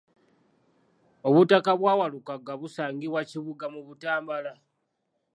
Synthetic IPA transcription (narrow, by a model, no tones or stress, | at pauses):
o̞βutakaβwaːwalukaɡaβusaːŋɡiβwaciβuɡamuβutaːmbala